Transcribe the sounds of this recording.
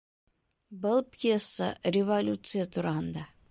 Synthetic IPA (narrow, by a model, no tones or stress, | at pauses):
bɤlˠpʲjesːə̰rʲɪvɐlʲut̪sɨjət̪uɾɑɦɤ̆nd̪ɑ